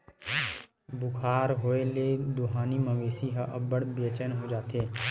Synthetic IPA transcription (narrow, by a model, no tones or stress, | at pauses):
bʊkʰaːɾɦoːeled̪ʊɦaːnimə̃meːsiɦəʔəbəɽbət͡ʃənɦod͡ʒaːt̪eː